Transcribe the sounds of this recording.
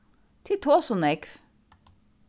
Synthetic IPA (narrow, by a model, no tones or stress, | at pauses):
t̪ʰɪt̪ʰoːsɔnɛkf